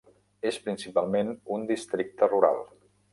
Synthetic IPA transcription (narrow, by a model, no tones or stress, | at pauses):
espɾinsipalˠmenund̪ist̪ɾik̚t̪əruɾa̰lˠ